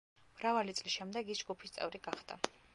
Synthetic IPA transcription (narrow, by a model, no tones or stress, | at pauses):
mɾavalit̪sʼlisʃɛmd̪ɛɡisd͡ʒɡupʰi̥st̪sʼɛ̰vɾiɡaχd̪a̰